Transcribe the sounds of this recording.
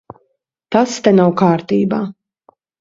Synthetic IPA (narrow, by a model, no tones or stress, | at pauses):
t̪ast̪ɛnawkaːɾt̪iːbaː